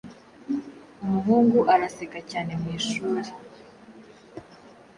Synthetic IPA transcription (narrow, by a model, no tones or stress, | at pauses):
umuɦuːŋɡuʔaɾasekacaːne̞mwiːʃuːɾe